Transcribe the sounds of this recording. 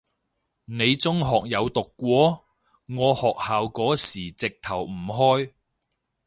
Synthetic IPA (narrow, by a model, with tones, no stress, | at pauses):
ne˨˧jt͡sʊ˥ŋɦɔː˨k̚jɐ˨˧wt̪ʊ˨kːʷɔː˨˥ | ŋɔː˨˧hɔː˨k̚haː˨wkɔː˨˥siː˨˩t͡sɪ˨k̚t̪ʰɐ˨˩wm̩˨˩ɦɔː˥j